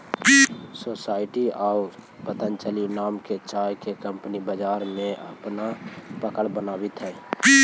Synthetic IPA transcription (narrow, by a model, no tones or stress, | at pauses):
sosaːɪʈiau | pət̪ənt͡ʃəlinaːmket͡ʃaːjkekə̃mpnibəd͡ʒaːɾmẽʔə̰pnapəkəɽbənaːbit̪ɦɛ̃ː